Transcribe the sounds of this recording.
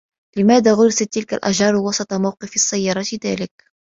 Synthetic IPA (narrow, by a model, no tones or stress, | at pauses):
lɪmæːd̪aɣʊɾɪsat̪ːɪlka̰lʔæ̰ʒɑːɾˤwɑsˤɑt̪ˤɑmawqɨfɑsːajːɑɾˤɑt̪iðæ̰ːlɪk̚